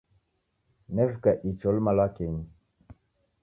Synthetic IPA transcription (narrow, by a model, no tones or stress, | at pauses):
nɛvkaʔit͡ʃolmalakeɲ